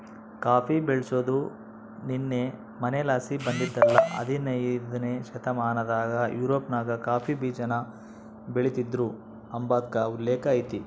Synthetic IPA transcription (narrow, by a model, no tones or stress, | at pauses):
kaːpʰibeɭsoːd̪u | ninːe | mɐnelaːsibɐnd̪id̪ːɐlːɐʔɐ̰d̪inɐjid̪ɐneʃɐt̪ɐmaːnɐd̪aːɡɐjuːɾoːpnaːɡɐkaːpʰibiːd͡ʒɐnɐ | beɭit̪id̪ɾu | ɐmbaːd̪kɐulːɛːkɐjt̪i